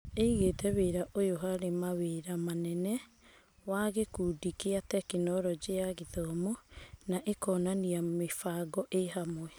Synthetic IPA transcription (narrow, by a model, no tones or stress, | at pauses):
eiɣeːtɛβeɾaʔojoɦaɾemaweɾamanɛnɛ | waɣekudikeatɛkenɔɾɔd͡ʑeaɣeðɔmonaʔekɔːnaniamefaɡɔʔeɦamwɛ